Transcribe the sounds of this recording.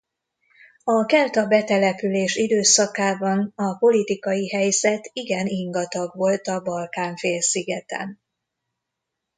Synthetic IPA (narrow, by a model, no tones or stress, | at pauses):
ɒkɛlt̪ɒbɛt̪ɛlɛpyleːʃid̪øːsɒkaːbɒnɒpo̞lit̪ikɒjiɦɛjz̥ɛt̪iɡɛniŋɡɒt̪ɒɡʋo̞lt̪ɒbɒlkaːɱfeːlsiɡɛt̪ɛ̰n